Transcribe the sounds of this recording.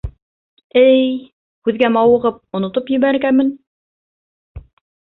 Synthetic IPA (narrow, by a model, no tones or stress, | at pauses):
ɘj | kʉðɡæmɑwɤ̆ʁɤp̚ŏnŏt̪opjɘ̆βæɾɡæmɘn